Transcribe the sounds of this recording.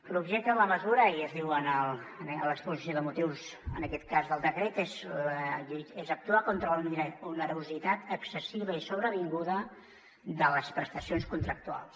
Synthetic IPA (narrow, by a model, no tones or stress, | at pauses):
lubʒɛk̚t̪əðələməzuɾəiəzðiwənəlˠnləkspuzisjoðəmut̪iwzə̰nəkɛt̪̚kazðəlˠd̪əkɾet̪ezʎuezək̚t̪uakont̪ɾəlnunəɾuzit̪at̪əksəsiβəisoβɾəβiŋɡuðə | d̪ələspɾəst̪əsionskunt̪ɾək̚t̪ua̰lˠs